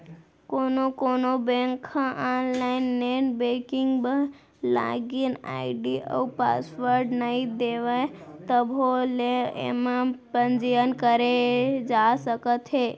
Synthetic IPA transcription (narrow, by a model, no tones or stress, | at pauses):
konokonobẽŋkʰãʔɔnlainːenbekiŋɡbə | la̰ɡina̰iɖiʔə̰wpa̰sʋəɾɖnəɦid̪eʋajt̪əbʱoleḛmãpənd͡ʒijənkəɾed͡ʒasəkət̪ʰe